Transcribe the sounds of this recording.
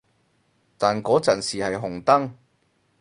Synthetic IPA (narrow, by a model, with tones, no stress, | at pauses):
t̪aː˨nkɔː˨˥t͡sɐː˨˩nsiː˨hɐ˨jɦʊ˨˩ŋt̪ɐ˥ŋ